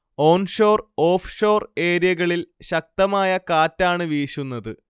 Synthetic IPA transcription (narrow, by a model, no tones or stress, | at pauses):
o̞ːnʂo̞ːro̞ːfʂo̞ːre̞ːɾjɐɣɐɭilɕɐk̚t̪ɐmaːjɐkaːtːaːɳɨʋiːɕunːɐðɨ